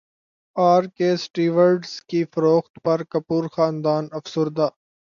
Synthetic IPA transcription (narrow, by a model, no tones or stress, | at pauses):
aːɾkesʈiːʋəɾɖskifɐɾoːxt̪pɐɾkɐpuːɾxaːnd̪aːnɐfsʊɾd̪aː